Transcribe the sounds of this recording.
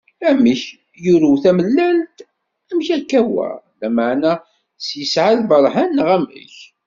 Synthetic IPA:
æməç | juɾuθæməlːælt̪ | æmçækːæwæ̰læməʕnæ | sjəsʕalbəɾˤħanːʁæmə̰ç

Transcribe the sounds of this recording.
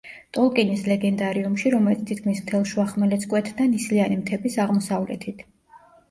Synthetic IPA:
t̪ʼɔlˠkʼɛnislɛɡɛnd̪aɾiumʃiɾɔmɛlit̪st̪ʰit̪̚kʰmismt̪ʰɛlˠʃuaχmɛlɛt̪sʰkʼwɛt̪ʰd̪anislianimt̪ʰɛbisaʁmɔsavlɛ̰t̪ʰit̪ʰ

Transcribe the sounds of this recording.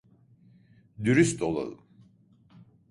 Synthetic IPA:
d̪yɾyst̪olˠa̰lˠɯ̰m

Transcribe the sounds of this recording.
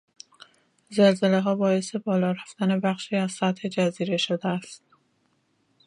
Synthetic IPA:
zelze̞leɦɒːbɒːe̞se̞bɒːlɒːɾæft̪æne̞bæxʃiːæz̥sæt̪he̞d͡ʒæziːɾe̞ʃod̪eæst̪

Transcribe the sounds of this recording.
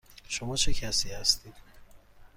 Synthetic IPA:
ʃomɒːt͡ʃʰecʰæsiːhæst̪ʰiːd̪̥̚

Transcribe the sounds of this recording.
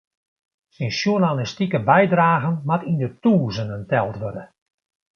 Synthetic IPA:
sinsjuənanistikəbɛjdraːɣənmatindətuːzənəntɛlˠtʋørdə

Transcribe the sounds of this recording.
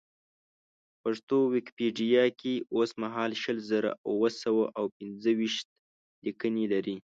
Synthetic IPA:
paʂt̪owɪkpeɖijɑkeosmaɦɑlʃəlzəɾa̰wəsawaʔawpɪnzəwiʃt̪̚ | likənelaɾi

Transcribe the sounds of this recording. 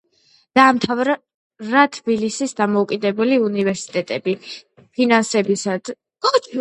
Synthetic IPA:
d̪̥aːmt̪ʰavɾ | ɾat̪ʰbilisisd̪amɔukʼid̪ɛbuliunivɛɾsi̥t̪ʼɛt̪ʼɛbi | pʰinansɛbisad̪

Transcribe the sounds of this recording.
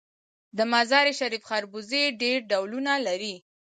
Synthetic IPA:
d̪əmazɑɾeʃaɾifxaɾbuzeɖeɾɖawlunalaɾi

